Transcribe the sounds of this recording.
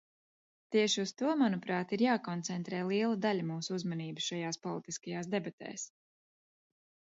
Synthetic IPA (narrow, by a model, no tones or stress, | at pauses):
t̪iɛʃiust̪uɔmanupɾaːt̪iɾjaːkɔnt̪sɛnt̪ɾɛːlˠiɛlˠud̪aʎʲumuːsuuzmaniːbuʃajaːspɔlˠit̪iskajaːsd̪ɛbat̪ɛ̰ːs